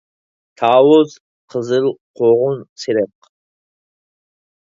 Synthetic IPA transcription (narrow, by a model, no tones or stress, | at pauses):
t̪ʰaːwʊz | qʰəzɨlqʰoʁʊnt͡sʰeɾɛq